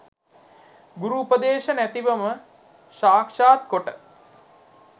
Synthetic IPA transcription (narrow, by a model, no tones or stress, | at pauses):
ɡuɾuːpəd̪eːʃənæt̪iʋəmə | ʃaːkʂaːt̪̚koʈə